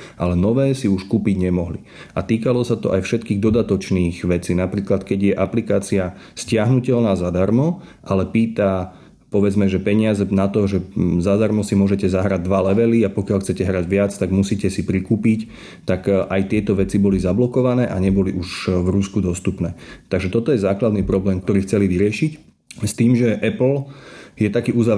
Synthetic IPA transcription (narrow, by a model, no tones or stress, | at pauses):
ʔalɛnɔʋɛːsiuʃkuːpiɟɲɛmɔɦli | ʔat̪iːkalɔsat̪ɔʔajfʃɛt̪kiːɣd̪ɔd̪at̪ɔt͡ʃniːxʋɛt͡siːnapɾiːklat̪kɛɟjɛʔaplikaːt͡siascɪaɦnucɛlnaːzad̪aɾmɔʔalɛpiːt̪a | pɔʋɛd͡zmɛʒɛpɛɲɪazɛnat̪ɔʒɛzad̪aɾmɔsimʊɔʒɛcɛzaɦɾaɟ̚d̪ʋalɛʋɛliapɔkɪaʎxt͡sɛcɛɦɾaɟʋɪat͡st̪aɡmusiːcɛsipɾikuːpic | t̪akʔajt̪ɪɛt̪ɔʋɛt͡sibɔlizablɔkɔʋanɛːʔaɲɛbɔliʔuʒvɾuskud̪ɔst̪upnɛːt̪aɡʒɛt̪ɔt̪ɔjɛzaːklad̪niːpɾɔblɛːmkt̪ɔɾiːxt͡sɛliʋiɾɪɛʃic | st̪iːmʒɛʔɛpl̩jɛt̪akiːʔuzaʋ